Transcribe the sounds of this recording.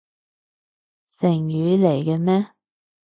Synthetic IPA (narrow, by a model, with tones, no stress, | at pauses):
sɪ˨˩ŋjyː˨˧le˨˩jkɛ˧mɛː˥